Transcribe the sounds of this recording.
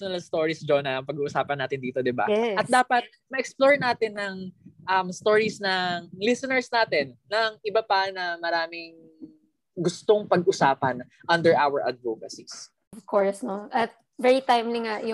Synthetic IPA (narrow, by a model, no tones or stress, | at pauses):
nɐlɐst̪oːɹisd͡ʒonɐʔɐŋpɐɡuːʔʊsaːpɐnːaːt̪ɪnd̪iːt̪o̞d̪ɪba̰ɛʔɐt̪̚d̪aːpɐt̪̚ | mɐʔɛksploɹnaːt̪ɪnːɐŋʔɐmst̪o̞ːɹisnɐŋlɪsɛnɛɹsnaːt̪ɪnːɐŋʔɪbɐpɐnɐmɐɾaːmɪŋ | ɡʊst̪o̞ŋpɐɡʔʊsaːpɐn | ʔɐnd̪ɛɹʔawɐɹʔɐ̰d̪voːkɐsis | vkʰoɹsnoʔɐt̪̚ | vɛɹit̪ajmliŋajʊ